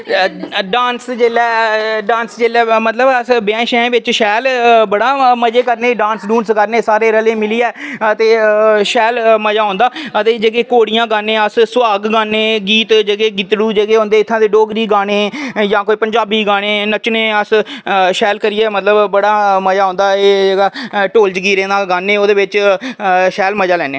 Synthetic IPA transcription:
ɖãːnsd͡ʒeːlɛːɖãːnsd͡ʒeːlɛːmət̪ləbəsbɪɛ̃ːʃɛ̃ːʋɪt͡ʃʃɛːlbəɽaːməd͡ʒeːkəɾnẽːɖãːnsɖuːnskəɾneːsaːɾeːɾəlẽːmɪliːɛːt̪eːʃɛːlməd͡ʒaːɦõːnd̪aːət̪eːd͡ʒəɡeːkoːɽɪjãːɡaːnẽːəssʊaːɡɡaːneːɡiːt̪d͡ʒeɡeːɡɪt̪ɽuːd͡ʒeɡeːɦõːnd̪eːɪt̪ʰːãːd̪eːɖoːɡɾiːɡaːɽ̃eːjãːkoːiːpəɲd͡ʒaːbiːɡaːɽ̃eːnət͡ʃnẽːəsʃɛːlkəɾɪjɛːmət̪ləbbəɽaːməd͡ʒaːɦõːnd̪aːeːd͡ʒeːɡaːʈoːld͡ʒɡiːɾẽːnd̪aːɡaːnẽːoːd̪eːʋɪt͡ʃ | ʃɛːlməd͡ʒaːlɛːnḛː

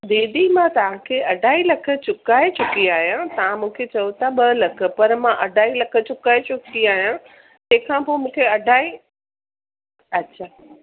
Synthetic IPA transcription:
d̪eːd̪imãt̪ɐʋ̤ãkʰeːɐɖʱaːilɐkʰə̆t͡ɕʊkaːet͡ɕʊkiaːɦijãt̪ɐʋãmũːkʰet͡ɕɐjut̪ʰaɓɐlɐkʰə̆pɐɾmãʔɐɖʱaːilɐkʰə̆t͡ɕʊkaːet͡ɕʊkiaːɦijã | t̪ɐ̃ɦɪ̃kʰãpoːmũːkʰeɐɖʱaːi | ɐtːɕʰaː

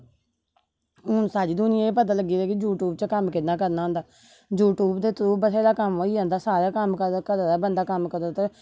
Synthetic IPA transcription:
ɦʊnsaːd͡ʒiːd̪ʊnɪjãːeːp̬ət̪̬aːləɡːiːdeːkɪd͡ʒuːʈuːbt͡ʃəkəmkɪt̪naːkəɾnaːɦʊnd̪aː | d͡ʒuːʈuːbd̪eːt̪ɾuːbəseːd̪aːkəmɦoːiãːnd̪aːsaːɾaːkəmkəɾkəɾaːd̪aːbənd̪aːkəmkəɾd̪aːt̪eː

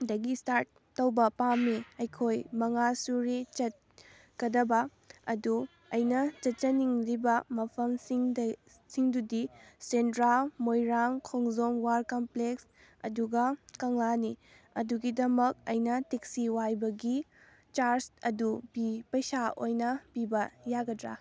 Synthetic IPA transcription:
dɐɡistaɾt̚ːɐwbɐpamːiɐjkʰojmɐŋasuɾet͡ʃɐt̚ | kɐdɐbɐ | ɐdu | ɐjnɐt͡ʃɐt̚t͡ʃɐniŋlibɐmɐpʰɐmsiŋd | siŋdudisentɾalmojɾaŋkʰoŋzomwaɾkɐmpleks | ɐ̰duɡɐkɐŋlani | ɐduɡidɐmɐk̚ɐjnɐtik̚siwajbɐɡi | t͡ʃaɾsɐdubipɐjsaojnɐb̥ibɐjaɡɐdɾa̰

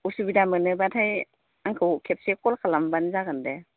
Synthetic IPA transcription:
usubidamɯnɯbatʰaj | aŋkʰɯwkʰep̚sekɔlkʰalambanzaɡɯnde

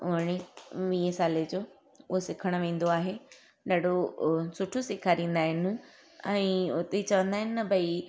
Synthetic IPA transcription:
ʊ̰ɦəɽ̃iʋĩːesaːled͡ʑoː | ʊɦosɪkʰəɽ̃ʋẽːn̆d̪oaːɦe | ɗaːɖʱosʊʈʰosɪkʰaɾĩːn̆d̪aːɦɪnɪ̆ | ɛ̃ːʊt̪et͡ɕɐʋə̃nd̪aːɦɪnɪ̆ːɐbʱɐi

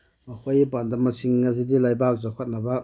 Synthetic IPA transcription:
mɐkʰojbandɐmːɐsiŋːɐz̬idilajbak̚zakʰot̚nɐbɐ

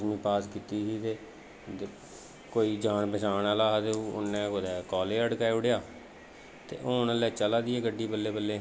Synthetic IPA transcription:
mĩːpaːskiːt̪iːsiːt̪eː | koːiːd͡ʒaːɳpəsaːnaːlaːɦt̪eːʊ̰nːẽːkod̪ɛːkɔːleːəɽkaːeʊɽɪjaː | t̪ḛːʔoːnəlɛːt͡ʃəlaːd̪iːɛːɡəɖːiːbəlːeːbəlːeː

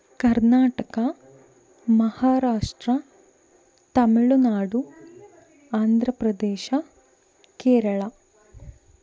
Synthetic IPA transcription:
kɐɾnaːʈɐkɐ | mɐhaːɾaːʂʈɾɐ | t̪ɐmiɭunaːɽu | aːnd̪ʱɾɐpɾɐd̪eːʃɐ | keːɾɐɭɐ

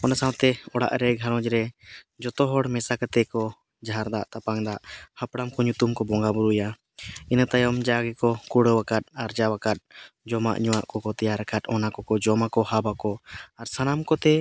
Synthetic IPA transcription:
ɔnasawt̪ɛɔɽa̰ʔɾɛɡʱaɾɔ̃d͡ʒɾɛ | d͡ʒɔt̪ɔɦɔɽmɛsakət̪ɛkɔ | d͡ʒaɦaɾd̪aʔt̪apaŋd̪aʔhapɽamkɔɲut̪umkɔbɔŋɡabuɾuja | inat̪ajɔmd͡ʒaɡɛkɔkuɽəwakat̪̚aɾd͡ʒawakat̪̚d͡ʒɔma̰ʔɲuwaʔkɔkɔt̪ɛjaɾəkat̪̚ɔnakɔkɔd͡ʒɔmakɔhabakɔaɾsanamkɔt̪ɛ

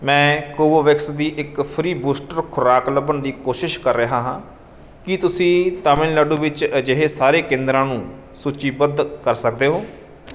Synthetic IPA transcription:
mɛ̃ːkoːʋoːʋɪksd̪iːʔɪkpʰɾiːbuːsʈəɾkʰʊɾaːkləbənd̪iːkoːʃɪʃkəɾːeɦãːɦãː | kɪt̪ʊsĩːt̪aːmɪlləɖuːʋɪt͡ʃəd͡ʒeɦeːsaːɾeːkẽːnd̪ɾãːnũː | suːt͡ʃiːbəd̪kəɾsək̚d̪eːɦoː

